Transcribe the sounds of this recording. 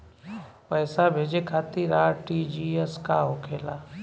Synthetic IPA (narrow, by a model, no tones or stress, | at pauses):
pəjsabʱeːd͡ʒekʰaːt̪iɾaːʈid͡ʒieskaɦokʰeːlaː